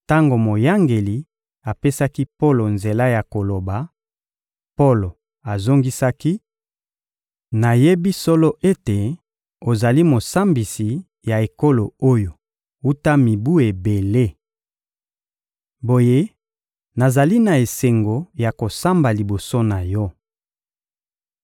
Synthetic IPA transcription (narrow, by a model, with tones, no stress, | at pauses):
ta˦ŋɡo˨mo˨ja˦ŋɡe˨li˨ | a˨pe˦sa˦ki˦po˦lo˨nze˨la˦ja˨ko˨lo˨ba˨ | po˦lo˨ | a˨zo˦ŋɡi˦sa˦ki˦ | na˨je˦bi˦so˦lo˦ʔe˦te˨ | o˨za˨li˦mo˨sa˦mbi˨si˨ | ja˨e˨ko˦lo˨o˦jo˨ | u˦ta˦mi˨bu˦e˨be˨le˦ | bo˨je˦ | na˨za˨li˦na˨e˨se˨ŋɡo˨ja˨ko˨sa˦mba˨li˨bo˨so˦na˨jɔ˦